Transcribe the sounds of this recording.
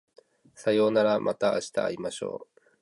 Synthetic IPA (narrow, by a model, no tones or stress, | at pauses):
sajo̞ːnaɾamʔa̰t̪aːɕi̥t̪a̰ːimaɕo̞̰ː